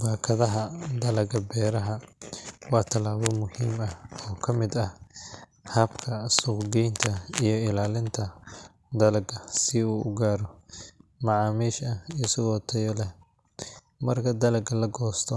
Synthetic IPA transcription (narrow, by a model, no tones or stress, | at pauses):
baːkʰɐðɐɦɐd̪ɐlɐɡɐbɛːɾɐɦɐ | wɑːt̪ʰɐlaːβɔmʊhiːmɐhɔːkʰɐmɪd̪ɐh | hɐbkʰɐsʊɡɛjnt̪ʰɐijɞɪlaːlɪnt̪ʰɐ | d̪ɐlɐɡɐsɪuːʊ̰ɡaːɾɔ | mɑʕɑːmiːʃɐhijɪsɐɣɔːt̪ʰɐjɔlɛ | mɐrkʰɐd̪ɐlɐɡɐlɐɡɔːst̪ʰɔ